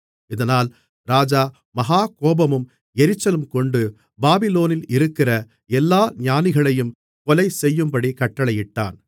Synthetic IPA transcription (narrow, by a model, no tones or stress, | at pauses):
ɪðɐnaːl | ɾaːd͡ʒaː | mɐɦaːkoːbɐmɯm | ɛɾɪt͡ʃːɐlɯmkɔɳɖɯ | baːbɪloːnɪlɪɾɯkːɪrɐ | ɛlːaːɲaːnɪɣɐɭɐjɯm | kɔlɐɪsɛjːɯmbɐɽikɐʈːɐɭɐjɪʈːa̰ːn